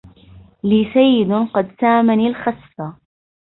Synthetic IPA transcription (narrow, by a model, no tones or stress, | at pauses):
liːsajːɪd̪qɑd̪saːmanilxɑsˤfɑ